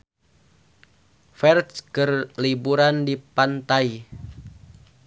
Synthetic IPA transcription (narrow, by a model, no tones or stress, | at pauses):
fɛrtskərlibuɾandipant̪ai